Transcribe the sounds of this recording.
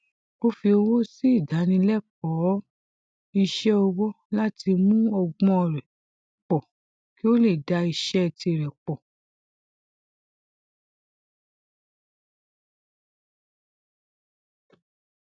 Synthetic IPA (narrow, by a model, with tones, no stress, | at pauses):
o˦fi˧o˧wo˦si˦i˦˨da˨˦nĩ˧lɛ˦k͡pɔ˨˦ | i˧ʃɛ˦ɔ˧wɔ˦ | la˦ti˧mũ˦ɔ˧ɡ͡bɔ̃˦ɔ˧˨ɾɛ˨ | k͡pɔ˨ | ki˦o˦le˦˨da˧i˧ʃɛ˦˧ti˧˨ɾɛ˨k͡pɔ˨